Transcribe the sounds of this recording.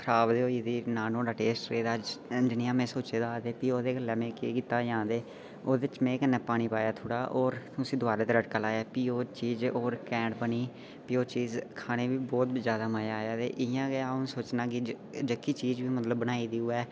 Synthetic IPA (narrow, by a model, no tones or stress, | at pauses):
kʰəɾaːbd̪eːoːiːd̪iːnaːnõːɖaːʈeːsʈɾeːd̪aːd͡ʒɪniːãːmɛ̃ːsoːt͡ʃeːd̪aːd̪eːpiːoːd̪eːɡəlːɛːmɛ̃ːkekiːt̪aːd͡ʒãːd̪eː | oːd̪ɪt͡ʃmɛ̃ːkənːɛːpaːɽ̃iːpaːjaːt̪ʰoːɽaːʔoːɾt̪ʊsĩːd̪ʊaːɾeːt̪eːɾəʈkaːlaːaːpiːoːt͡ʃiːd͡ʒoːɾkɛ̃ːɳɖbəniː | piːoːt͡ʃiːzkʰaːñeːʋiːbɔːt̪zjaːd̪aːməjaːjaːt̪ḛːʔɪjãːɡeaːʊnsoːt͡ʃnãːkɪ | d͡ʒəkːiːt͡ʃiːd͡ʒʋiːmət̪ləbːəñaːiːd̪iːuːɛː